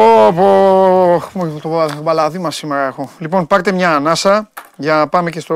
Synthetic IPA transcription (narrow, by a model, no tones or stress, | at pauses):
opo | t̪oobɐlɐðimɐsimeɾɐe̞xolipo̞npɐɾt̪e̞mɲɐːnɐsɐʝɐnɐpɐme̞cest̪o